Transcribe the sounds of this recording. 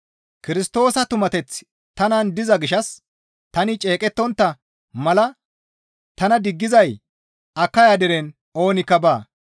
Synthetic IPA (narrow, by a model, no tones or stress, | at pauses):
kɪɾɪst̪o̞ːsɐt̪ʊmɐt̪ɛt͡s | t̪ɐnɐnd̪ɪzɐɡɪʃɐs | t̪ɐnɪt͡ʃʼe̞ːkʼɛt̪ːɔnt̪ːɐ | mɐlɐ | t̪ɐnɐd̪ɪɡːɪzɐj | ɐkːɐjad̪ɛɾɛn | o̞ːnɪkːɐbaː